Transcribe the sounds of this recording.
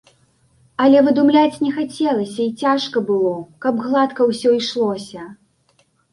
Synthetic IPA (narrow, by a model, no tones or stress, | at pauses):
ɐlʲɛvɨd̪umlʲat͡sʲnʲɛxat͡sʲɛlˠɐsʲɐit͡sʲaʂkɐbɨlˠɔkɐbɣlˠat̪kɐwsʲɔiʂlˠɔsʲɐ